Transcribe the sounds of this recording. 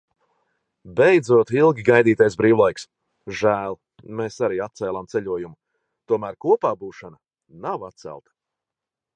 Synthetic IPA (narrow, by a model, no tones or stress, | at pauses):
bejd̪zuɔt̪ilˠɡʲiɡajd̪iːt̪ajsbɾiːwlˠajks | ʒæːlˠ | meːsaɾiːat̪t̪sɛːlˠamt̪ɛʎʲuɔjumu | t̪uɔmæːɾkuɔpaːbuːʃana | navat̪̚sæ̰lˠt̪ɐ̥